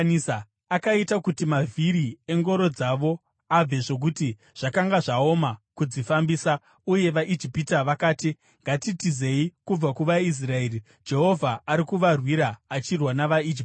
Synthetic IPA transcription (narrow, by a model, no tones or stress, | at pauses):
ns | akaitakutimavʱiɾie̞ŋɡo̞ɾo̞d͡zaʋo̞ | ab͡ve̞ʐo̞k̬uti | ʐ̥akaŋɡaʐao̞makud͡zifambiːsa | uje̞ʋaʔid͡ʒipitaʋakaːti | ŋɡatitize̞ikub͡vakuʋais̬rae̞ːri | d͡ʒe̞ɦo̞vʱaːɾikuʋarwiɾaːt͡ʃirwanaʋaid͡ʒip